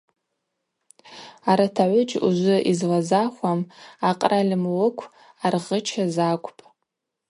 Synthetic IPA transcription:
aɾatʰaʕʷʊd͡ʒʰʼṵʒʷʊʔizlazaχʷamaqʼralɨmlɨkʷʰ | arʁət͡ʃʰazakʷʰʼpʼ

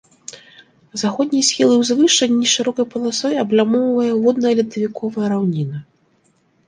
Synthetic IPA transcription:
zaxɔd̪̚ʲnʲijsʲxʲilˠɨwzvɨʂɐnʲːiʂɨɾɔkɐjpɐlˠasɔjɐblʲamɔwvɐjɐvɔd̪nɐjɐlʲid̪ɐvʲikʰɔvɐjɐɾawnʲinɐ

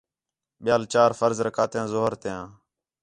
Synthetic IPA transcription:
ɓɪjaːlt͡ʃaːɾfəɾzɾəkʰaːt̪jãːzoːɦəɾt̪ejãː

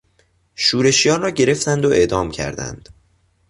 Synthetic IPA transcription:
ʃuːɾe̞ʃijɒːnrɒːɟe̞ɾe̞ft̪ænd̪oʔe̞ʔd̪ɒːmcʰæ̰ɾd̪æ̰nd̪̥

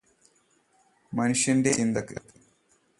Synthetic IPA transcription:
mɐnuʂjɐndeʔind̪ɐkːɨ̰kː

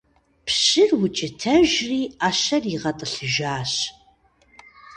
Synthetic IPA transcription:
pʰɕɪrwʊt͡ʃʼɪtʰɐʒriːaːʃɐriʁɐtʼɨɬɨʒaːɕ

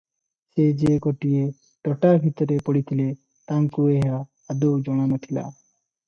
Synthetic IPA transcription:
sed͡ʒeɡoʈije | ʈɔʈaɾbʱit̪ɔɾepɔɽit̪ʰile | t̪aŋkueɦaː | d̪od͡ʒɔɽ̃amot̪ʰila̰

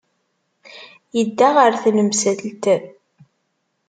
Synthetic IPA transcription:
jəd̪ːaʁəɾθnəmsælt̪æð

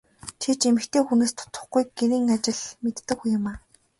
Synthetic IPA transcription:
t͡ɕʰet͡ɕemɘ̆kt̪ʰeːxuneːst̪ʰʊ̥t̪ə̆χɡujɡeɾiːŋat͡ɕɪ̆ɮmet̪ːɘ̆kːujʊ̆maː

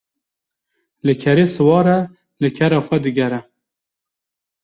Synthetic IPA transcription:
lɨkʰɛɾeːsɨwɑːɾɛ | lɨkʰɛɾɑːxʷɛd̪ɨɡɛɾɛ

